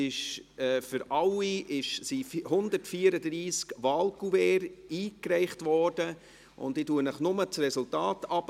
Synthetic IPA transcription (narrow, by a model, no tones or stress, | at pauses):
ɪʃɛːfʏɾɑliʔɪʃsifhʊndəɾtfiəɾəd̪ɾiːskʋɑːlkuvɛːɾiːkɾɛɪχtvɔd̥ə | ʔʊ̰ndiːtuənəχnʊmət͡srɛsʊltɑːtɑp